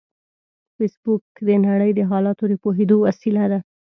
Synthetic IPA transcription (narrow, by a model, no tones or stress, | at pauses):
fesbukd̪ənaɽəjd̪əɦɑlɑt̪od̪əpoɦed̪owasilad̪a